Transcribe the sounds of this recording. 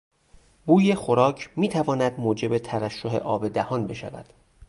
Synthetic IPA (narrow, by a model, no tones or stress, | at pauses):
buːje̞xoɾɒːcʰmiːt̪ʰævɒːnæd̪moːd͡ʒe̞bet̪ʰæɾæʃːoɦe̞̰ʔɒːbe̞d̪æhɒːnbe̞ʃæ̰væ̰d̪̥